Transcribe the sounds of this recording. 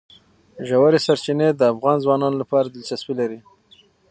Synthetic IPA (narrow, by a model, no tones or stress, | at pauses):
ʒawaɾesaɾt͡ʃined̪əafɣɑnzwɑnɑnolapɑɾad̪əlt͡ʃaswilaɾi